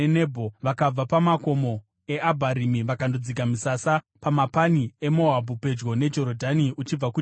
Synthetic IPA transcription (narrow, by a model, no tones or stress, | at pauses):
enebʱoʋakab͡vapamako̞mo̞ | e̞ʔabʱaɾimiʋakandod͡zikamisasa | pamapanie̞mo̞abʱupe̞d͡ʒɡo̞ne̞d͡ʒo̞ɾodʱaniut͡ʃib͡vaku